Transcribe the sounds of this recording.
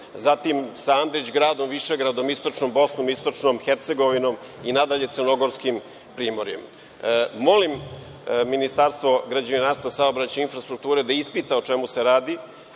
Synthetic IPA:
zat̪imsaand̪ɾit͡ɕɡɾaːd̪o̞mʋiʃeɡɾad̪o̞mist̪ot͡ʂnombo̞snomist̪o̞t͡ʂnomxeɾt̪se̞ɡoʋino̞m | inad̪aʎe̞t̪sərnoɡo̞ɾskim | pɾiːmoɾje̞̰m | mo̞lim | minist̪aɾst̪ʋo̞ɡɾad͡ʑaninaːɾst̪vasaobɾat͡ɕeinfɾast̪ɾuk̚t̪uːɾed̪aispit̪aot͡ʃe̞museɾaːd̪i

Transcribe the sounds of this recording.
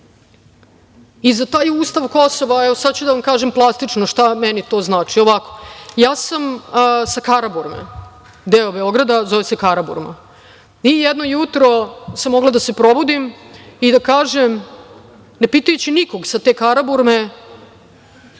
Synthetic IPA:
izat̪aːjuːst̪aʋko̞so̞ʋaɛʋo̞sad̪̚t͡ɕud̪aʋamkaːʒemplˠast̪it͡ʂnoʃt̪amɛnit̪o̞ːznaːt͡ʂio̞ʋako̞̥jaːsamsakaɾabuɾmḛ | d̪eːobeo̞ɡɾad̪azoʋesekaɾabṵɾma̰ | ijɛd̪nojut̪ɾo̞samːo̞ɡlad̪ase̞pɾo̞bud̪imid̪akaːʒem | ne̞pit̪ujet͡ɕiniko̞ɡsat̪eːkaɾabuɾme

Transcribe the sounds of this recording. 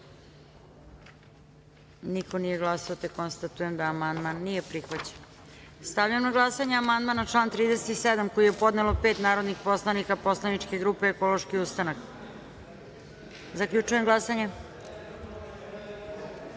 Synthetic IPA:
nikonije̞ɡlˠasoot̪ekonst̪at̪uje̞md̪aːmand̪manːijepɾixʋat͡ɕe̥n | st̪avʎamnaɡlˠasaɲeamand̪maːnaʈ͡ʂlˠaːnt̪ɾiːd̪eset̪ised̪amko̞jijepo̞d̪nelope̞ːt̪naːɾo̞d̪nixpo̞slˠanikapo̞slˠanit͡ʂke̞ɡɾupeːko̞lo̞ʃkiust̪anak | zakʎut͡ʂujemɡlˠasaɲe

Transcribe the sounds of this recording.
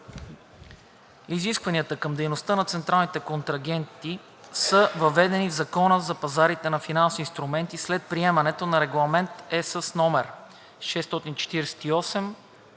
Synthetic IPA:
iziskvɐniət̪əkɤmd̪ɛjnost̪ənɐt̪sɛnt̪ɾalˠnit̪ɛkont̪ɾɐɡ̟ɛnt̪i | səvɐvɛd̪ɛnivzɐkɔnəzɐpɐzaɾit̪ɛnɐfinansvʲiːnst̪ɾumɛnt̪islɛt̪̚pɾiɛmɐnɛt̪onɐɾɛɡlˠɐmɛnt̪ɛsəsnɔmɛɾ | ʃɛst̪ɔt̪int͡ʃɛ̥t̪iɾɛsɛ̥t̪iɔsɛm

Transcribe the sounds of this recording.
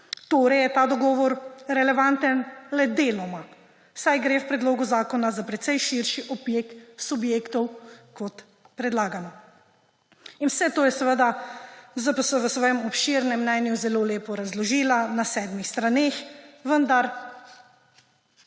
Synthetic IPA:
t̪oːɾɛjɛt̪aːd̪ɔɡɔːʋɔɾɾɛlɛʋant̪ənlɛd̪eːlɔma | sajɡɾeːwpɾɛd̪loːɡuzaːkɔnazapɾɛt̪sɛjʃiɾʃiʔɔbjeksubjeːkt̪ɔwkɔt̪ | pɾɛd̪laːɡanɔ | inwsɛt̪oːjɛsɛʋəd̪azapɔsɛʋəsʋɔːjɛmɔpʃiɾnɛmnɛnjuzɛloːleːpɔɾazlɔʒiːlanasɛːd̪mixst̪ɾaneːxʋənd̪aɾ

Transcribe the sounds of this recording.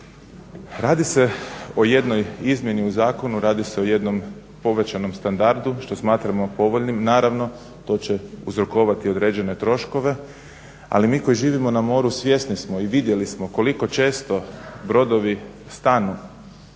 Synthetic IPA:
ɾaːd̪ise̞o̞je̞d̪no̞jizmje̞niuzaːko̞nuɾaːd̪ise̞oje̞d̪no̞m | po̞ʋe̞t͡ɕano̞mst̪and̪aɾd̪uʃt̪o̞smaːt̪ɾamo̞po̞ʋo̞ʎnimnaːɾaʋno̞ | t̪o̞ːt͡ɕe̞uzɾoko̞ːʋat̪io̞d̪ɾe̞ːd͡ʒe̞ne̞t̪ɾo̞ʃko̞ʋe̞ | a̰limiːko̞jiʒiːʋimo̞namo̞ːɾusʋje̞snismo̞iʋid̪je̞lismo̞ko̞liko̞t͡ʃe̞ːst̪o̞bɾo̞d̪o̞ʋi | st̪anu

